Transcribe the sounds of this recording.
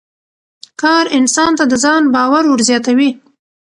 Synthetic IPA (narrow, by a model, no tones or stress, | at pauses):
kɑɾɪnsɑnt̪ad̪əzɑnbɑwaɾwəɾzjɑt̪awi